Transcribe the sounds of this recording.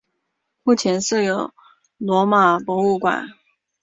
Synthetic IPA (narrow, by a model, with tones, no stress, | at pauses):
mu˥˩t͡ɕʰjɛ˧˥nʂɻ̩˥˩jo˨˧˩ʊ | lwɔ˧˥ma˨˩pwɔ˧˥u˥˩kwa̰˨˩˦n